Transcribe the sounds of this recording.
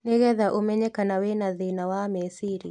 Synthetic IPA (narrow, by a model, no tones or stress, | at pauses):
neɣɛðaʔomɛɲɛkanawenaðinawamɛsiɾḭ